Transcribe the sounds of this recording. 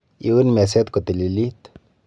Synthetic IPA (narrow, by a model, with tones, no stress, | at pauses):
ḭ˨wu˦nme˨s̬e˦t̪ku˨t̪i˨li˨li˦t̪